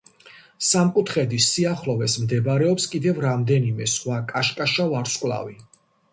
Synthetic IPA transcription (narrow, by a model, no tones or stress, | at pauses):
samkʼut̪ʰχɛd̪isiaχlɔvɛsmd̪ɛbɾɛɔpskʼid̪ɛvɾamd̪ɛnimɛsχwakʼaʃkʼaʃavaɾskʼlˠa̰vi